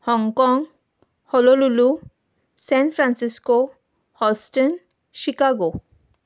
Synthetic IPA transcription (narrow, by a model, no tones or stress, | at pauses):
hɔŋkɔŋ | hololulu | sɛnfʰɾansisko | hɔsʈen | ʃikaɡo